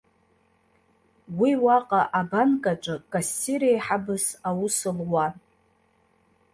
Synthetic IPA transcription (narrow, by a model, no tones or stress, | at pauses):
wiwaqʼaʔabankʼaʈ͡ʂʼɨkʼasːiɾejħabɨsawʊsɨlwa